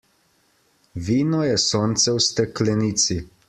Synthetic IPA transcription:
ʋiːnɔjɛsoːnt̪sɛwst̪ɛklɛniːt̪si

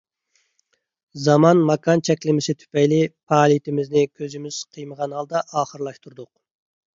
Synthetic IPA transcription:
zɑmɑnmɑkʰɑnt͡ʃʰɛkʲlɪmɪsɪt̪ʰy̥pɛjlɪpʰɑːlˠijit̪ʰɪmɪznɪkʲʰøzɪmɪz̥qʰəjməʁɑnhɑlˠd̪ɑʔɑːχəɾlˠɑʃt̪ʰuɾd̪ʊq

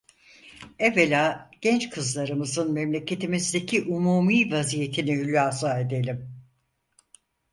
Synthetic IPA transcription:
ɛvelʲaːɟ̥ɛnt͡ʃkʰɯzlˠaɾɯmɯzɯnmemlʲe̞cʰe̞t̪ʰimizd̪e̞cʰiʔumuːmiːvazije̞t̪ʰinihylʲaːsaːe̞d̪e̞lʲim

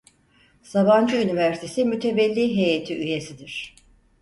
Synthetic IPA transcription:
saband͡ʒɯynivæɾsit̪ʰesimyt̪ʰe̞vɛlʲːiɦejet̪ʰiyje̞sid̪iɾ̥

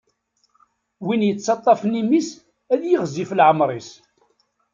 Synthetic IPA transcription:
winjət͡sːɑt̪ˤːɑfnimis | æðjəʁziflʕəmɾˤis

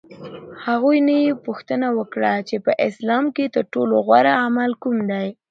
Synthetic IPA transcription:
haɣujnajepʊxt̪ənawəkɽat͡ʃepəʔɪslɑmket̪əɾʈoloɣwaɾaamalkumd̪aj

